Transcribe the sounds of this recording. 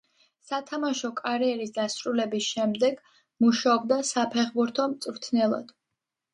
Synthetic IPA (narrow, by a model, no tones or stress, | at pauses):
sat̪ʰamaʃɔkʼaɾiɛɾisd̪asɾulɛbisʃɛmd̪ɛɡ̥ | muʃaɔb̚d̪asapʰɛχbuɾt̪ʰɔmt̪sʼɾt̪ʰnɛlˠɔ̰d̪̥